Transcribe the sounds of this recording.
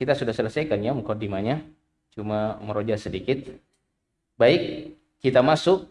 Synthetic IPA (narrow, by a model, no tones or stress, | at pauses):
kit̪asudahsələsajkanjaməkodimaɲa | t͡ʃumaməɾod͡ʒasədikɪt̪̚ | baɪkː | it̪amasʊk̚